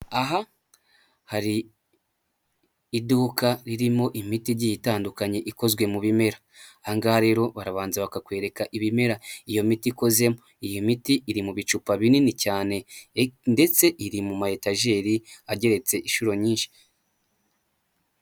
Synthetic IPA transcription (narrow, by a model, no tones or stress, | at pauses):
aɦa | haɾi | duːkaɾiɾimo̞ʔimitiɾɟijitaːndukaɲe̞ʔiko̞zɡwe̞muβime̞ɾa | aŋɡaaɾe̞ːɾo̞βaɾaβaːnzaβakakwe̞ːɾe̞kaʔiβime̞ɾaijo̞mitiko̞ze̞mo | ijomitiʔːɾimuβit͡ʃupaβininicaːne̞nde̞t͡se̞ʔiɾimumahetaʒe̞ːɾiaɟe̞ɾe̞t͡se̞ʔiʃuɾo̞ɲiːnʃi̥